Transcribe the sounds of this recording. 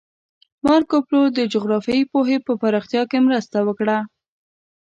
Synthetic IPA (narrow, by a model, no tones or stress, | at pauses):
mɑɾkoplod̪əd͡ʒoɣɾɑfjɑipoɦepəpaɾɑxt̪jɑkemɾəst̪awəkɽa